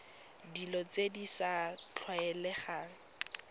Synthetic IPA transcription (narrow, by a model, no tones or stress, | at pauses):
dilɔt͡sedisat͡ɬʰwaɛlɛχa